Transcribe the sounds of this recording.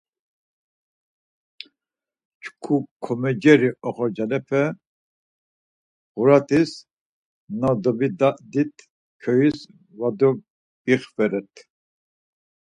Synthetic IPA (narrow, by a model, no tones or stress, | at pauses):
t͡ʃʰkʰukʰɔmɛd͡ʒɛɾiɔχɔɾd͡ʒalɛpʰɛ | ʁuɾat̪ʰis | nad̪ɔbid̪aʔd̪it̪ʰ | kʰɔjis | vad̪ɔ | biχfɛɾɛt̪ʰ